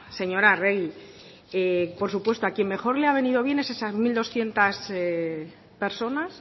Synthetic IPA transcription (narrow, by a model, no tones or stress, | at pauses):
se̞ɲo̞ɾare̞ɣi | epo̞ɾsupwe̞st̪oakje̞mme̞xo̞ɾleaβ̞e̞niðo̞β̞je̞ne̞sesazmild̪o̞sθje̞nt̪as | pe̞ɾso̞nas